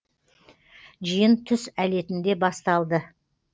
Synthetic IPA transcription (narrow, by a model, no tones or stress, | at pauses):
ʒijənt̪ʰʏsæle̞t̪ɪnd̪e̞bɑst̪ɑlˠd̪ə